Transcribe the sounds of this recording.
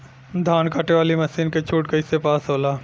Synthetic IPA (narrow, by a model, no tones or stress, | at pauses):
d̪ʱaːnkaːʈeʋaːlimɐsiːnket͡ʃʰuːʈ̚kɐisepaːsɦoːlaː